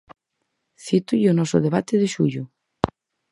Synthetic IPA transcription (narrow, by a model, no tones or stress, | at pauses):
θit̪ujonɔso̰ðeβ̞at̪eðeʃuʎʊ